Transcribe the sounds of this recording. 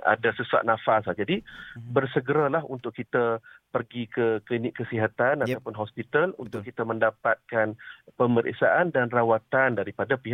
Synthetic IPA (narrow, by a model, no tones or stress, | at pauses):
a̰dasəsua̰ʔ̚nãfaslad͡ʒadibərsəɡəɾalaɦunt̪ʊʔkːit̪əpərɡikəklinɪʔkːəsiɦat̪anat̪awpʊnɦɔspit̪alṵnt̪ʊkkːit̪əmə̃ndapat̪̚kanpəməɾʔḛsa̰ʔandanrawat̪andaɾipadapiɦaʔ